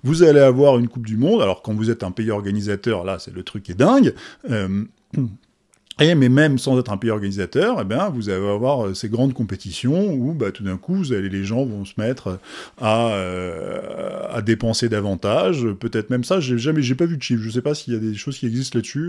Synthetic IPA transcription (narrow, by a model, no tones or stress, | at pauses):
vuzaleavwaʁynkup̚d̪ymɔ̃d̪alɔ̰ʁkɑ̃vuzɛt̪ɛ̃peiɔʁɡanizat̪œʁlasɛlət̪χykʲːɛd̪ɛ̃ɡøm | emɛmɛmsɑ̃zɛt̪χɛ̃peiɔʁɡanizat̪œʁebjɛ̃vuzaleveavwaʁøseɡʁɑ̃d̪kɔ̃pet̪isjɔ̃ubat̪ud̪ɛ̃kuvuzaleleʒɑ̃vɔ̃sə̥mɛt̪χøaø | a̰d̪epɑ̃sed̪avɑ̃t̪aʒøpøt̪ɛt̪χmɛmsaʒeʒamɛʒepavyd̪əʃifʒəs̬ɛpasiljad̪eʃozkʲiɛɡzis̬t̪lad̪sy